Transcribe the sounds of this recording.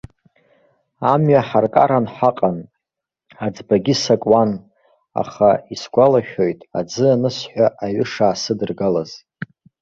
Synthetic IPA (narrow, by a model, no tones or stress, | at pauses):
amɥaħarkʼa̰ɾanħaqʼan | ad͡zbaɡʲɪsakʼwan | a̰χaisɡʷalaχʲᶣojtʼad͡zɨanɨsħʷaʔaɥʏʂaːsɨdɨrɡalaz̥